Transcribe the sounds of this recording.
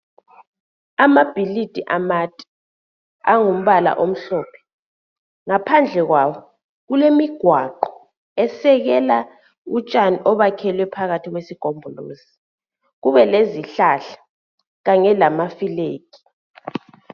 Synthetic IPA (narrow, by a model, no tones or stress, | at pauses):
amab̥ʱilid̥ʱiʔamatʼi̥ | aŋum̩βala̰ʔom̩ɬɔːpʰɛ̥ | ŋapʰand͡ɮʱɛɣwaːwɔ | ɣulemiɡ̥ʱwaǃɔ | ɛsɛɣɛla | ut͡ʃʼaniʔɔβakʰɛlwɛpʰaɣatʰiɣwesiɡ̥ʱombʱɔlo̰ːzi | ɣuβɛleziɬaɬḁ | ɣaŋɛlamafileːki̥